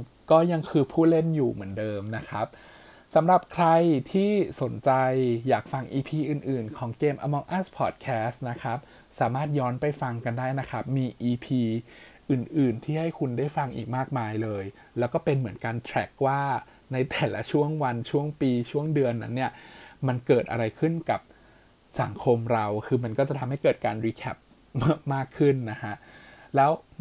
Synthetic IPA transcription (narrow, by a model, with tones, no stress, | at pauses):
kɔː˥˩ja˧ŋkʰɯː˧pʰuː˥˩t̪̚le˥˩njuː˨˩mɯ˩˦əndɤː˧mna˦˥kʰa˦˥p̚ | sa˩˦mɾa˨˩p̚kʰɾa˧jt̪ʰiː˥˩so˩˦nt͡ɕa˧jːaː˨˩k̚fa˧ŋʔiː˧pʰiː˧ʔɯː˨˩nʔɯː˨˩nkʰɔː˩˦ŋkeː˧mʔa̰˧mɔ˧ŋʔa˥˩spʰɔ̰ː˨˩t̪̚kʰɛː˦˥st̪̚na˦˥kʰɾa˦˥p̚ | saː˩˦maː˥˩t̪̚jɔː˦˥npa˧˩jfa˧ŋka˧ndaː˥˩jna˦˥kʰɾa˦˥p̚miː˧ʔiː˧pʰiː˧ | ʔɯː˨˩nʔɯː˨˩nt̪ʰiː˥˩ha˥˩jkʰu˧ndaː˥˩jfa˧ŋʔḭː˨˩k̚maː˥˩k̚maː˧jlɤː˧j | lɛː˦˥wkɔː˥˩pe˧nmɯ˩˦ənkaː˧nt̪ʰɾɛ˦˥k̚waː˥˩ | na˧jt̪ɛː˨˩la̰˦˥t͡ɕʰu˥˩əŋwa˧nt͡ɕʰu˥˩əŋpiː˧t͡ɕʰu˥˩əŋdɯ˧ənːa̰˦˥nːi˥˩ɐma˧nkɤː˨˩t̪̚ʔa̰˧ɾa˧jkʰɯ˥˩nka˨˩p̚ | sa˨˩˦ŋkʰo˧mɾa˧wkʰɯː˧ma˧nkɔː˥˩t͡ɕa˨˩t̪ʰa˧mhɦa˥˩jkɤː˨˩t̪̚kaː˧nɾiː˧kʰɛ˦˥p̚ː | maː˥˩kʰːɯ˥˩nːa˦˥kʰa˦˥ʔ | lɛː˦˥w